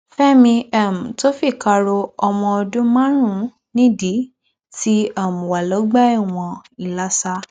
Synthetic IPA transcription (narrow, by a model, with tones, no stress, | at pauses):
fɛ˦mĩ˧ɛ˦˨mũ˨to˦fi˦˨ka˧ɾo˧ɔ˧mɔ̃˧ɔ˧dũ˦mã˦ɾ̃ũ˦˨ | nĩ˦di˨˦ | ti˦a˦˨mũ˨wa˨lɔ˨˦ɡ͡ba˦i˦˨w̃ɔ̃˧i˨la˨˦sa˧